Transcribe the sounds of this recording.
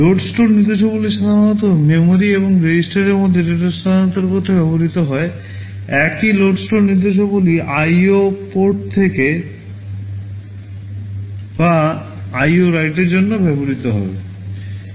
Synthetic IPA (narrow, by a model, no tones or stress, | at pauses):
loɖsʈoɾniɾd̪eʃ̬oboliʃad̪ʱaanɔt̪̬omemoɾieboŋɾed͡ʑisʈaɾeɾmod̪ʱːeɾeʈaɾʃad̪ʱanɔt̪eɾkot̪ʰːebɛboɾit̪oɦɔe | ɛkiloɖsʈoɾniɾd̪eʃ̬oboliʔajopoʈ̚t̪ʰeke | ba | ajoɾajʈeɾd͡ʑonːobɛboɾit̪oɦɔ̰bḛ